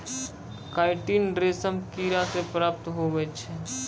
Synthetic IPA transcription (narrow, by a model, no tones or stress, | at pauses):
kaːɪʈiːnɾesəmkiɾasepɾaːp̚t̪ɦobɛt͡ʃʰɛ